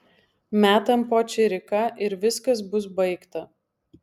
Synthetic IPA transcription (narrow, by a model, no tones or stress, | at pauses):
mʲæːt̪ɐmpoːt͡ʃʲɪɾʲɪkɑʔɪɾʋʲɪskɐs̬bʊsbɐɪkt̪ɐ